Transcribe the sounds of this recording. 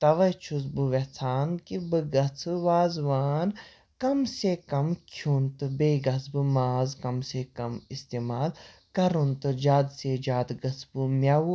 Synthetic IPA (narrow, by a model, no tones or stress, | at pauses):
t̪ɐʋɐt͡ʃʰusbɨʋet͡sʰaːnkibɨɡɐt͡sʰɨʋaːzʋaːn | kɐmsekɐmkʰjunt̪ɨbeːɡɐsbɨmaːzkɐmsekɐmist̪eːmaːl | kɐɾunt̪ɨd͡ʒaːd̪sed͡ʒaːd̪ɡɐt͡sʰbɨmʲjawu